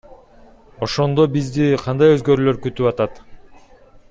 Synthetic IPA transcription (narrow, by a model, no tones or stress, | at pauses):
o̞ʃo̞nd̪o̞bizd̪iqʰɑnd̪ɑjøzɡø̞ɾylø̞ɾkyt̪ypɑt̪ɑt̪